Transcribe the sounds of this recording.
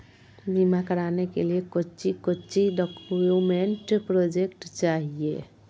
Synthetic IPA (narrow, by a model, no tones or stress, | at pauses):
bimakəɾaːnekeliekʊt͡ʃikot͡ʃiɖɔkːmeɳʈpɾoːd͡ʒekʈt͡ʃaːɦiḛ